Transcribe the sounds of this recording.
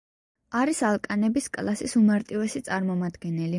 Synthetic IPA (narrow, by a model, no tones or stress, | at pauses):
aɾisalˠkʼanɛbiskʼlˠasisumaɾt̪ʼivɛsit̪sʼaɾmɔmad̪ɡɛnɛli